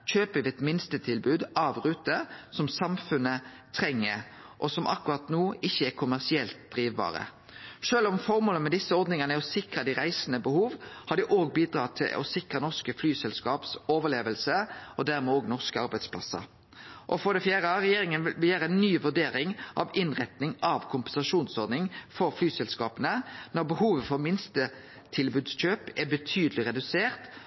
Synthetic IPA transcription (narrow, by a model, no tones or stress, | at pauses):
c͡çøːpəʋɛɛt̪mɪnst̪ət̪ʰɪlbʉːd̪ɑʋʁʉːt̪əsɔmsɑmfʉnə | t̪ʰʁɛŋːə | ʔɔsɔmʔɑ̰kːʉɾɑt̪nuːɪçːəɛʁkʰʊmæʁsɪɛlt̪̚d̪̥ɾiːʋbɑ̰ːʁə̰ | ʂøːlɔmfɔʁmoːləəmɛd̪ɪsːəɔɾd̪nɪŋənəɛɔsɪkʁɑd̪æɪɾæɪsənəbəhuːʋhɑd̪ɪʔoːɡ̚biːd̪ɾɑːt̪ʰɪ̰lɔ̰sɪkʁənɔʁskəflyːsɛlskɑːpsoːʋəʁleːʋəlsəɔd̪æʁmɛoːɡnɔʁskəɑɾbæɪd̪spʰlɑ̰sːə̰ɾ | ʔɔfɔʁd̪ɛfjæːʁəɑʁɛjeːɾɪŋənʋɪlbəjæːɾəɛnːyːʋʉɖ̪eːɾɪŋʔɑ̰ʋɪnʁɛt̪nɪŋɑʋkʰʊmpɛnsɑʂuːnsɔʁd̪nɪŋfɔɾflyːsɛlskɑːpənənɔʁbəhuːʋəfɔʁmɪnst̪ə | t̪ʰɪlbʉːd̪sc͡çøːpɛbət̪ʰyːd̪əlɪʁɛd̪ʉseːʁt̪